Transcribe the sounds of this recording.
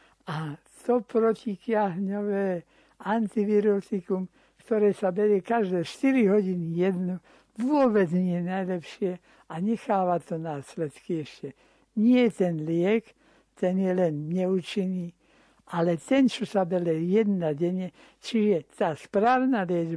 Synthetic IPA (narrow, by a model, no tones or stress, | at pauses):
ʔa | t̪ɔpɾɔcikjaɦɲɔʋɛː | ant̪iʋiɾɔt̪ikum | kt̪ɔɾɛːsabɛɾɛkaʒd̪ɛːʃt̪iɾiɦɔɟinijɛd̪nu | ʋʊɔbɛd͡zɲɪɛnajlɛpʃɪɛ | aɲɛxaːʋat̪ɔnaːslɛt̪kiɛʃcɛ | ɲɪɛt̪ɛnlɪɛk | t̪ɛnjɛlɛnɲɛut͡ʃiniː | ʔalɛt̪ɛnt͡ʃɔsabɛɾɛjɛd̪naɟɛɲɛ | t͡ʃiʒɛt̪aːspɾaːwnalɪɛd͡ʒ